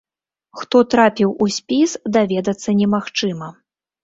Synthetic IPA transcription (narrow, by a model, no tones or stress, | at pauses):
xt̪ɔt̪ɾapʲiwusʲpʲisd̪avʲɛd̪ɐt̪sːɐnʲɛmaxt͡ʂɨmɐ